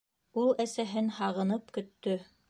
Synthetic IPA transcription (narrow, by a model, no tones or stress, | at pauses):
ulˠæsæɦɘnhɑʁɤ̆nɤpkɵ̆t̪ːɵ